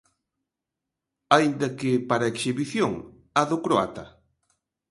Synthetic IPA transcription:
ajind̪ɐkɪpaɾaeksiβiθjoŋ | aðʊkɾoa̰t̪ɐ

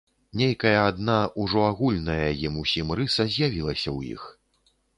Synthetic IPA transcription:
nʲejkɐjɐad̪naʔuʐɔaɣulʲnɐjɐjimusʲimrɨsɐzʲjavʲilˠɐsʲɐwjḭx

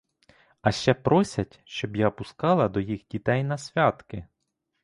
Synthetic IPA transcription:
ɐʃt͡ʃɛpɾɔsʲɐtʲʃt͡ʃɔbjapʊskɑlˠɐd̪ɔjixdʲit̪ɛjnɐsʲʋʲɑt̪kɪ

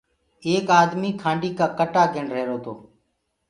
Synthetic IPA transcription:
eːkaːd̪miːkʰãːɳɖiːkaːkəʈaːɡʱəɳɾəeɦːɾoːt̪o̰ː

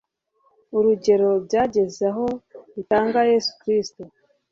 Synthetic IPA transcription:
uɾuɟe̞ɾo̞βɟaːɟe̞zaɦo̞ɾitaːŋɡaje̞su̥kɾisto

